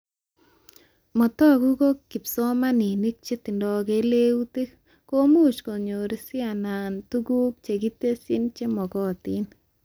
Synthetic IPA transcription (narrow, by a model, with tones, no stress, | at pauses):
mɔ˨t̪ɔ˦˨ɡu˦ko˦kːi˨psɔ˦ma˦ni˨ni˦k̚t͡ʃe˦t̪i˨ndɔ˨ke˨˦le˦u˦te˦k | ko˦mu˦t͡ʃko˨ɲo˨ɾi˦sɪ˦a˨na˨nt̪u˦ɡu˦k̚t͡ʃe˨ɡi˦t̪e˦si˦nt͡ʃe˦mɔ˨kɔ˦t̪i˦n